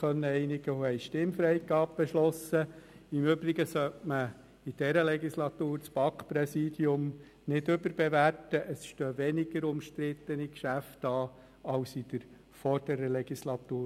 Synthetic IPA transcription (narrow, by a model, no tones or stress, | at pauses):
œnːəɛɪnɪɡ̥əohɛɪʃtɪmfɾɛɪɡɑːb̚b̥ɛʃlɔsəɪmʏbɾɪɡəsœtmə | id̥ɛɾəlɛɡislɑt̪uːɾt͡sb̥ɑkprɛsiːd̥jʊm | nɪdʏbəɾb̥eʋærtəʔəsʃtøːʋɛnɪɡ̥əɾʊmʃtɾɪt̪ːənikʃæftɑː | ɑʊsid̥̪əɾ | fɔɾd̥əɾəlɛɡ̥islɑt̪uː